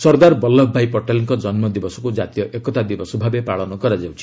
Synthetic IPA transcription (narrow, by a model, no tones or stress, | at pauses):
sɔɾd̪aɾbɔlːɔbʱbʱajpɔʈaliŋkɔd͡ʒɔnmɔd̪ibɔsɔ̥kud͡ʒat̪ijɔʔekɔt̪ad̪ibɔsɔbʱabepaɭɔnɔkɔɾad͡ʒawt͡ʃʰi̥